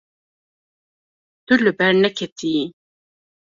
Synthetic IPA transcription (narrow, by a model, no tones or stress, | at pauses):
d̪̥ulɨbɛɾnɛkʰɛt̪ʰii